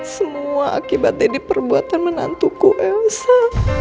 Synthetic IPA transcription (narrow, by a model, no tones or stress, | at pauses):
səmuaʔa̰kibat̪̚ɪdipərbuat̪anməna̰nt̪ukuʔɛsa